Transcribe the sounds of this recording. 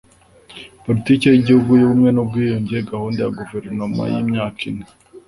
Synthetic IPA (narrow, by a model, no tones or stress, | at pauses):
poɾitiːkejiɟihuɡujeβumŋe̞nub̚ɡiːjuɲɟijeɡahuːndejaɡuveɾnoma̰jḭmɲaːkine